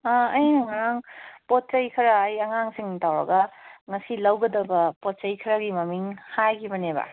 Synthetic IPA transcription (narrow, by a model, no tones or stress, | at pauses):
aɐjnaŋaɾaŋpot̚sɐjkʰɐɾaːjɐŋaŋsiŋtawɾɐ̰ɡaŋɐsilɐwɡɐdɐbɐpot̚t͡ʃɐjkʰɐɾaɡimɐmiŋhajkibɐnebɐ̰